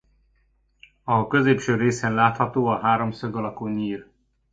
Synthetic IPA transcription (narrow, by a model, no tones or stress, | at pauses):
ɒkø̞zeːpʃøːɾeːsɛnlaːt̪hɒt̪oːɒɦaːɾo̞msøɡɒlɒkoɲiːr